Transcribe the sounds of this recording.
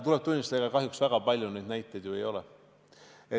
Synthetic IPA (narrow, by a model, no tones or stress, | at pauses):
t̪ulɛb̚t̪unʲːist̪ɑeɡɑkɑɦjuksvæɡ̥ɑpɑlʲjune̞jd̪næjt̪ːˑejd̪̥juejo̞lɛ | e